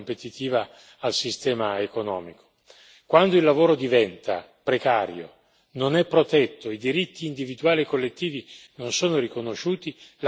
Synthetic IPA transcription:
mpet̪it̪iːvaː | lsist̪ɛːmaekonɔ̰ːmiko̥ | kwand̪oilːavoːɾod̪ivɛnt̪a̰ | pɾekaːɾjo̰ | nonɛpːɾot̪ɛt̪ːoid̪iɾit̪ːiːnd̪ivid̪uaːliekːolːet̪ːiːvinonsoːnoɾikonoʃuːt̪il

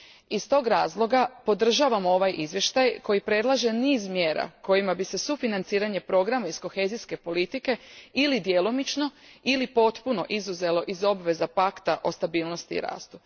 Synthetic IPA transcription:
ist̪o̞ːɡɾaːzlˠo̞ɡapo̞d̪r̩ʒaʋamo̞ʋajʔizʋje̞ʃt̪ajkʰo̞jipɾe̞d̪lˠaʒe̞niːzmje̞ːɾa̰ko̞jimabise̞sufinant̪siːɾaɲe̞pɾo̞ɡɾamaisko̞xe̞ːziske̞po̞lit̪ike̞ilid̪je̞lomit͡ʃno̞ilipo̞t̪puno̞̰ʔizuze̞lo̞ʔizo̞bʋe̞zapakt̪aʔo̞st̪abiːlˠno̞st̪iḭɾa̰ːst̪u

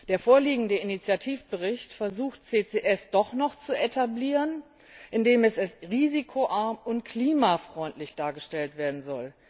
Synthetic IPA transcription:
d̥eːɐfoːɐliːɡŋ̩dəinit͡sjatʰiːfb̥əʁɪçtfɛɐzuːxtt͡seːt͡seːʔɛsd̥ɔχnɔχt͡suetʰabliːʁən | ʔɪndeːmɛsalsʁiːzikʰoʔaɐmʊntkʰliːmafʁ̥ɔʏntʰlɪçd̥aːɐɡəʃtɛltv̥eːɐdn̩zɔl

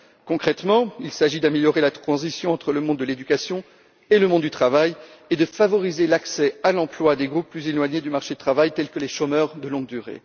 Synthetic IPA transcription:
kɔ̃kχɛt̪mɑ̃ilsaʒid̪ameljɔʁelat̪χɑ̃zisjɔ̃ɑ̃t̪χələmɔ̃d̪ːəled̪ykʲasjɔ̃ | eləmɔ̃d̪d̪yt̪χavaj | ed̪əfavɔʁizelaksɛalɑ̃plwad̪eɡʁupːlyzelwaɲed̪ymaʁʃed̪ət̪χavajt̪ɛlkəleʃomœʁd̪əlɔ̃ɡ̚d̪yʁḛ

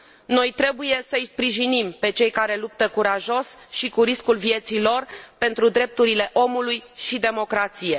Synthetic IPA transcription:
no̞jt̪ɾe̞buje̞səijspɾiʒinimpe̞t͡ʃe̞jkaɾe̞lup̚t̪əkuɾaʒo̞sʃikuɾiskulvie̞t̪silo̞rpe̞nt̪ɾud̪ɾe̞p̚t̪uɾile̞ʔo̞mulujʃid̪e̞mo̞kɾat̪sije̞

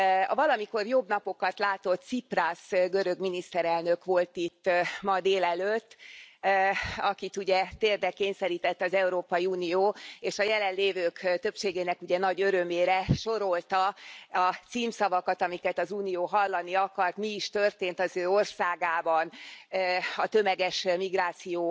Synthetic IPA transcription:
ɒ̰vɒlɒmiko̞rjo̞bnɒpo̞kɒt̪laːt̪o̞t̪siprasɡøɾø̞ɡminist̪ɛɾɛlnø̞kʋo̞lt̪it̪ːmɒd̪eːlɛløt̪ː | ɒkit̪uɟɛt̪eːrd̪ɛkeːɲsɛɾiːt̪ɛt̪ːɒzɛuɾoːpɒiuːnijoːeːʃɒjɛlɛnleːvøːkt̪ø̞pʃeːɡeːnɛkuɟɛnɒɟøɾø̞meːɾɛʃo̞ɾo̞lt̪ɒɒt̪siːmsɒvɒkɒt̪ɒmikɛt̪ɒzuːnijoːɦɒlːɒniɒkɒrt̪miːʃt̪ø̞rt̪eːnt̪ɒzøːo̞rsaːɡaːbɒn | ɒt̪ø̞mɛɡɛʃmiɡraːt̪sijoː

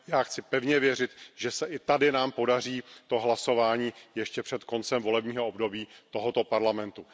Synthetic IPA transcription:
jaːxt͡sɪpɛvɲɛvjɛrɪt̪ʒɛsɛʔɪt̪adɪnaːmpo̞dariːt̪o̞ɦlaso̞vaːɲiːjɛʃcɛpr̝̥ɛt̪ko̞nt͡sɛmvo̞lɛbɲiːɦoobdo̞biːt̪o̞ɦot̪o̞paɾlamɛnt̪u

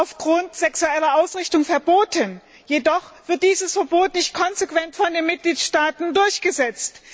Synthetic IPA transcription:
aʊfɡ̥ʁʊntz̥ɛksuɛlɐʔaʊsʁɪçtʊŋfɛɐboːtən | jedɔχv̥ɪɐt̚d̥iːzəsfɛɐboːtnɪçt̚kʰɔnzekv̥ɛntfɔndeːnmɪt̚ɡ̥liːtʃtaːtn̩dʊɐçɡ̥əzɛt͡st

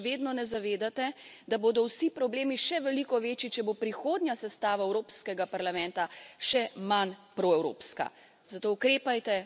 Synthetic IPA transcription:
ʋeːd̪nɔnɛzaʋeːd̪at̪ɛd̪aboːd̪ɔwsipɾɔbleːmiʃɛʋɛlikɔʋeːt͡ʃit͡ʃɛbopɾixoːd̪njasɛst̪aːʋaɛwɾoːpskɛɡapaɾlamɛnt̪aʃɛmanpɾoɛwɾo̰ːpska̰ | zat̪oːukɾeːpajt̪ɛ

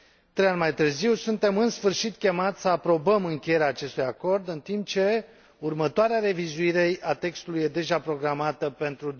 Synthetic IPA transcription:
t̪ɾejanʲmajt̪ɨrziwsunt̪e̞mɨnsfɨrʃit̪kʲe̞mat̪sʲsəapɾo̞bəmɨŋkʲeje̞ɾeaːt͡ʃe̞st̪ujako̞rd̪ɨnt̪imp̚t͡ʃe̞ | urmət̪oaɾeaɾe̞vizuiɾe̞at̪e̞kst̪ulujed̪e̞ʒapɾo̞ɡɾamat̪əpe̞nt̪ɾud̪

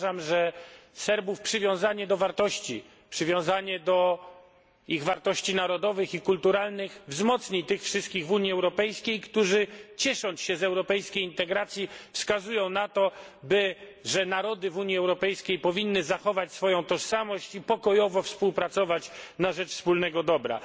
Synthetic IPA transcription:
ʐamʐɛsɛɾbufpʂɨvʲjɔ̃w̃zaɲɛd̪ɔvaɾt̪ɔɕt͡ɕi | pʂɘvʲjɔ̃w̃zaɲɛd̪ɔ | iɣvaɾt̪ɔɕt͡ɕinaɾɔd̪ɔvɘxikult̪uɾalnɘxvzmɔt̪sɲit̪ɘxfʂɘst̪̚kʲiɣvuɲiɛwɾɔpɛjskʲejkt̪uʐɘt͡ɕɛʂɔ̃nt͡sɕɛzɛwɾɔpɛjskʲejint̪ɛɡɾat̪sʲjifskazujɔ̃w̃nat̪ɔbɘʐɛnaɾɔd̪ɘvuɲjiɛwɾɔpɛjskʲejpɔvʲinːɘzaxɔvat͡ɕsfɔjɔ̃w̃t̪ɔʂsamɔɕt͡ɕipɔkɔjɔvɔfspuwpɾat̪sɔvat͡ɕnaʐɛt͡ʂfspulnɛɡɔd̪ɔbɾa̰

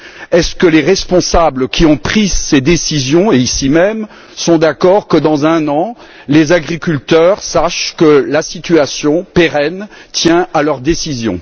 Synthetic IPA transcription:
ɛskəleʁɛspɔ̃sabləkʲʰiɔ̃pχizsed̪esizjɔ̃eisimɛm | sɔ̃d̪akɔʁkəd̪ɑ̃zɛ̃nɑ̃ | lezaɡʁikʲylt̪œʁsaʃkəlasit̪yasjɔ̃peʁɛnt̪jɛ̃alœʁd̪esizjɔ̰̃

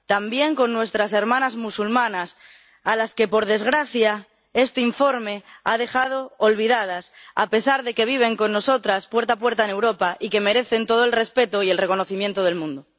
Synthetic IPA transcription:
t̪ambje̞ŋko̞nːwe̞st̪ɾase̞ɾmãnazmusulmãnas | alaske̞po̞ɾð̞e̞zɣ̞ɾaθja | e̞st̪eiɱfo̞ɾme̞að̞e̞xað̞o̞ːlβ̞iðað̞asa̰pe̞saɾðe̞ke̞β̞iβ̞e̞ŋko̞nːo̞so̞t̪ɾaspwe̞ɾt̪ap̬weɾt̪aene̞wɾo̞paʔike̞me̞ɾe̞θe̞nt̪o̞ð̞oe̞lre̞spe̞t̪o̞ie̞lre̞ko̞no̞θimjent̪oð̞e̞lmũnd̪o

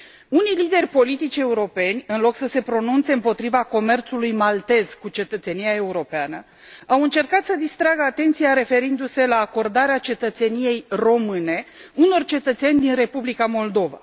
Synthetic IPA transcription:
unijlid̪e̞rʲpo̞lit̪it͡ʃʲe̞uɾo̞pe̞nʲɨnlo̞ksəse̞pɾo̞nunt̪se̞ɨmpo̞t̪ɾivako̞me̞rt̪sulujmalt̪e̞z̥kut͡ʃe̞t̪ət̪se̞nijae̞uɾo̞peanə | awɨnt͡ʃe̞rkat̪səd̪ist̪ɾaɡəat̪e̞nt̪sijaɾe̞fe̞ɾind̪use̞laːko̞rd̪aɾeat͡ʃe̞t̪ət̪se̞nije̞jro̞mɨne̞uno̞rt͡ʃe̞t̪ət̪se̞nʲd̪inre̞publikamo̞ld̪o̞va̰

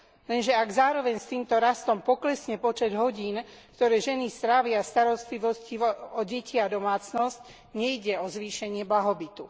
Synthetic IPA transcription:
lɛnʒɛaɡzaːɾɔʋɛɲst̪iːmt̪ɔɾast̪ɔmpɔklɛsɲɛpɔt͡ʃɛd̪ɦɔɟiːnkt̪ɔɾɛːʒɛnist̪ɾaːʋɪast̪aɾɔst̪liʋɔsciʋɔɟɛcʰiad̪ɔmaːt͡snɔsc | ɲɛjɟɛɔzʋiːʃɛɲɪɛblaɦɔbit̪u

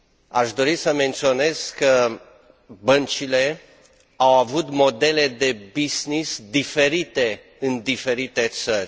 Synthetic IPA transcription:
aʃd̪o̞ɾisəme̞nt̪sio̞ne̞z̥kːə | bənt͡ʃile̞ | awavut̪mo̞d̪e̞le̞d̪e̞biznisd̪ife̞ɾit̪e̞ | ɨnd̪ife̞ɾit̪e̞t̪sərʲ

